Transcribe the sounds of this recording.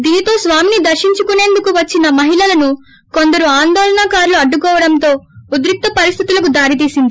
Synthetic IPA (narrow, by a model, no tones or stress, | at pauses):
d̪iːnit̪o̞ːsʋaːminid̪ɐɾʃiɲt͡ʃukune̞ːnd̪ukuʋɐt͡ʃːinɐmɐɦilɐlɐnu | ko̞nd̪ɐɾuaːnd̪ɔːlɐɳaːkaːɾluɐɖːukɔːʋɐɽɐnt̪o̞ːud̪ɾuk̚t̪ɐpɐɾist̪ʰit̪ulɐkud̪aːɾit̪iːsind̪i